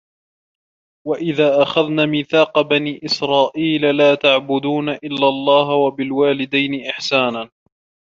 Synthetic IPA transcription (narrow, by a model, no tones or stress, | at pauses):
waʔɪðaːʔaxaðnaːmiːθaːqɑbaniːʔɪsɾɑːʔiːlalaːt̪aʕbʊd̪uːnaʔɪlːalˤːɑːɦwabɪlwaːlɪd̪ajnɪʔɪħsaːnaː